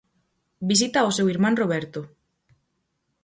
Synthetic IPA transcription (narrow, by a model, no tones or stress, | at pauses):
bis̬it̪aosewiɾmãnroβ̞ɛɾt̪o